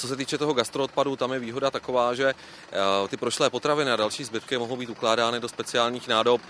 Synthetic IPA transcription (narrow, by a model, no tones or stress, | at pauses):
t͡so̞s̬ɛt̪iːt͡ʃɛt̪o̞ɦoɡast̪ɾoot̪̚padut̪amjɛviːɦo̞dat̪ako̞vaːʒɛ | t̪ɪpɾoʃlɛːpo̞t̪ɾavɪnɪadalʃiːzbɪt̪kɪmoɦowbiːt̪uklaːdaːnɪdo̞spɛt͡sɪaːlɲiːxnaːdo̞p